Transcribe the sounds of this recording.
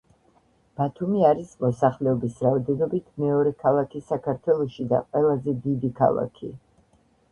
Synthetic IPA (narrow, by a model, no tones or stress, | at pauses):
b̥at̪ʰumiaɾismɔsaχlɛɔbisɾaɔd̪ɛnɔbit̪ʰmɛɔɾɛkʰalˠakʰisakʰaɾt̪ʰwɛlˠɔʃid̪a̰qʼwɛlˠazɛd̪id̪ikʰa̰lˠa̰kʰḭ